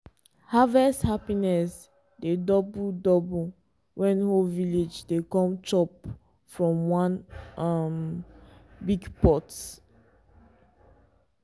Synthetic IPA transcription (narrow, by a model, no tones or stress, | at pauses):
havɛsthapinɛs | dedɔbudɔbu | wɛ̃nhoviled͡ʒdekɔ̃mt͡ʃɔp | fɹɔ̃mwãnam | biɡpɔt